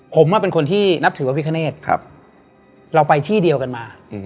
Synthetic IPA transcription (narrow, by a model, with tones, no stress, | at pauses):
pʰo˩˦mwaː˥˩pe˧nkʰo˧nt̪ʰiː˥˩na˦˥p̚t̪ʰɯː˩˦a˧˩wi˦˥kʰa˧neː˥˩t̪̚ʰa̰˦˧p̚ | ɾa˧wpa˧jt̪ʰiː˥˩di˧əwka˧nmaː˧